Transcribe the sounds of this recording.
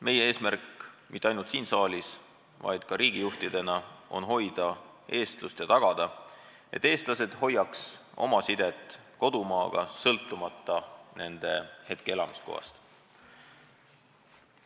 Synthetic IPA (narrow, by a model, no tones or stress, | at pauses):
me̞jee̞ːsmærkmit̪ːeɑjnult̪siːnsɑːlʲis | vɑ̰jd̪̥kɑɾiːɡ̥ijuht̪id̪̥e̞nɑʔo̞̰nɦo̞jd̪̥ɑ | e̞ːst̪lust̪jɑt̪ɑɡ̥ɑd̪̥ɑ | ʔe̞̰t̪ːˑeːst̪lɑse̞d̪̥ho̞jːɑkso̞̰mɑsid̪̥et̪ːˑko̞d̪̥umɑːɡ̥ɑ̰sɤlt̪ˑːumɑt̪ːɑne̞nd̪̥e̞he̞t̪̚keelɑmisko̰hɑ̰st̪